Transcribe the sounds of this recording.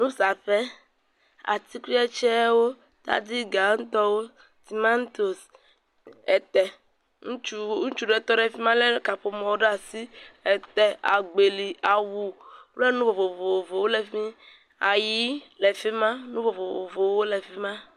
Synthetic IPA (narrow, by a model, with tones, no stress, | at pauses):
nũ˦sa˨ɸɛ˦ | a̰˨t̪i˦kʷi˦ɛ˦t͡ʃɛ˦wo˦ | t̪a̰˦d̪i˦ɡa˨ŋ̩˦t̪ɔ˦wo˦ | t̪i˨ma˦n˦t̪o˨s | ɛ˨t̪ɛ˨ | ŋũ˦t͡ʃu˦ŋũ˦t͡ʃu˦ɖe˦˨t̪ɔ˦ɖe˦fi˦mã˦le˦ka˨ɸo˨mɔ̃˨o˦ɖa˨si˦ɛ˨t̪ɛ˨a˨ɡ͡be˨li˨a˨wu˨˦le˦nũ˦vo˨vo˨vo˨wo˨vo˨wo˦le˨fĩ˦ | a˨ji˦le˨fi˦mã˦nũ˦vo˨vo˨o̰˨vo˨wo˦le˨fi˦mã˦